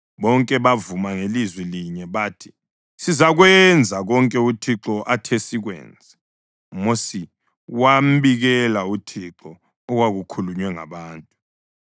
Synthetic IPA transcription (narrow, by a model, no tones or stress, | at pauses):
ɓɔŋkʼɛβavumaŋelizwiliɲɛβatʰi̥ | sizaɣwɛnd͡zʱaɣɔŋkʼɛutʰiǁɔʔatʰɛsiɣwɛ̰ːnd͡zʱɛ | mosi | wam̩biɣɛlautʰiǁɔ | ɔɣwaɣukʰuluɲwɛŋa̰βaːntʼu